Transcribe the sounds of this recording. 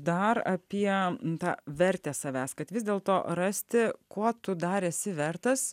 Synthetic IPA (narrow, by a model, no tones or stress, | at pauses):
d̪ɐɾɐpʲiɛt̪ɑ̰ːʋʲɛɾʲt̪ʲeːsɐʋʲæːskɐt̪ʋʲɪzd̪ʲeːlˠt̪oːɾɐsʲt̪ʲɪkuɔt̪ʊd̪ɑːɾɛsʲɪʋʲɛrt̪ɐs